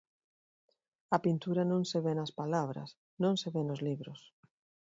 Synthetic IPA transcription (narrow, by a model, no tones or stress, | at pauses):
ɐpint̪uɾanõŋseβenaspalaβɾɐ̰s | nõŋseβenozliβɾos